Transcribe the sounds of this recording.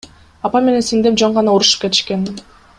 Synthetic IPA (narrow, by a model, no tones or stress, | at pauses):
ɑpɑme̞ne̞nsiŋd̪ep̚d͡ʒoɴʁɑnɑoɾuʃɯ̥p̚ke̞t̪i̥ʃke̞n